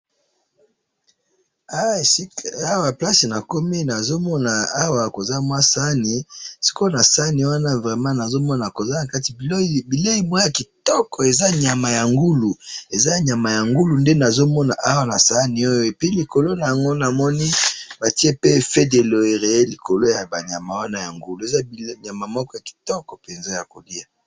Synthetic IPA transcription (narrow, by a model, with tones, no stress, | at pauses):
a˦˨si˦ka˨a˦wa˨pla˦si˨na˨ko˦mi˦na˨zo˦mɔ˦na˨a˦wa˨ko˨za˦mwa˦sa˦ni˨si̥˦ko˦na˨sa˦ni˨wa˦na˦vʁɛ˨mã˦na˨zo˦mɔ˦na˨ko˨za˦na˨ka˦ti˨˦˨bi˨le˦i˨mwa˦ja˨ki˨tɔ˦kɔ˨e˨za˦ɲa˨ma˨ja˨ŋɡu˦lu˨e˨za˦˨ɲa˨ma˨ja˨ŋɡu˦lu˨nde˦na˨zo˦mɔ˦na˨ʔa˦wa˨na˨sa˦ni˨o˦jo˦e˨pi˦li˨ko˨lo˦na˨ja˨ŋɡo˦na˨mɔ˦ni˦ba˨ti˦e˦pe˦fe˦de˨lo˨e˨ʁe˨e˦li˨ko˨lo˦ja˨ba˨ɲa˨ma˨wa˦na˦ja˨ŋɡu˦lu˨e˨za˦i˨˦ɲa˨ma˨mɔ˦kɔ˦ja˨ki̥˨tɔ˦kɔ˨pe˨nze˦ja˨ko̰˨li˦a˨